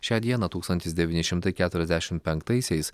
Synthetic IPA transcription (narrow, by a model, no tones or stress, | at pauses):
ʃʲæːd̪ʲiɛnɐːt̪uːkst̪ɐnʲt̪ʲɪsd̪ʲɛʋʲɪːnʲɪʃʲɪmt̪ɐɪkʲæːt̪ʊɾʲɛzʲd̪ʲæʃʲɪmpʲɛŋkt̪ɐɪsʲɛɪs